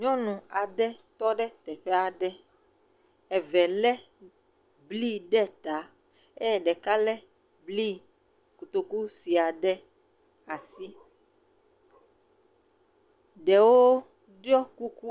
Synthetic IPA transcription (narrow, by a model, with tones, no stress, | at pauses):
ɲɔ̃˦nũ˨a˨ɖɛ˦t̪ɔ˦ɖɛ˦t̪ɛ˨ɸɛ˦a˨ɖɛ˦ | ɛ˨vɛ˨lɛ˦ | bli˦ɖɛ˦t̪a˨˦ | ɛ˦˨ɖɛ˨ka˦lɛ˦ | bli˦ | ku˨t̪o˨ku˦si˨a˨ɖɛ˦ | a˨si˦ | ɖɛ˨wo˦ | ɖjɔ˦ku˦ku˦